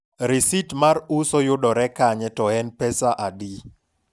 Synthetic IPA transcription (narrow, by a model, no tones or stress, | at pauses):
ɾisitmarusɔjʊdɔɾɛkaɲɛtɔɛnpɛsaʔadi